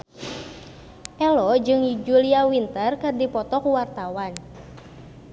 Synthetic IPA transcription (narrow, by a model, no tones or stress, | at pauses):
ʔɛlɔd͡ʒɨŋd͡ʒuliawint̪ərkadipɔt̪ɔkuwart̪awan